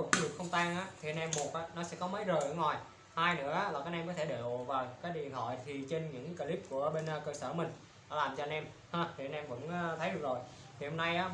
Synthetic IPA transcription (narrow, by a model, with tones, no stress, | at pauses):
ɗɨ˨˩kxə˧wŋ͡mt̪aː˧ŋʔaː˨˦˥t̪ʰi˨˩ʔə˧nʔɛ˧mːo˨˩ət̚ʔaː˨˦˥nɔ˨˦sɛ̰˧˥kɔ˨˦mə˨˦jzəː˨˩ʔə̰˧˦ŋwa˨˩j | haː˧jnɨ̰˧˥əʔaː˨˦laː˨˩kaː˨˦k̚ʔɛ˧mkɔ˨˦˥t̪ʰe˧˩ɗḛ˧˨vaː˨˩wkaː˨˦jɗi˨˩ənhɔ̰˧˨jt̪ʰi˨˩t͡ɕe˧nɲɨ̰˧˥ŋkə˧li˦˥p̚ku˧˩əɓe˧n˧kəː˧səː˧˩mï˨˩ŋ̟ | ɗɔ̰˨˦laː˨˩mt͡ɕɔ˧ə˧nʔɛ˧m | haː˧˩t̪ʰi˨˩ʔə˧nʔɛ˧mvə̰˧˥nː˧t̪ʰə˨˦jɗɨ˨˩ək̚zo˨˩j | t̪ʰi˨˩hə˧mna˧jʔaː˨˦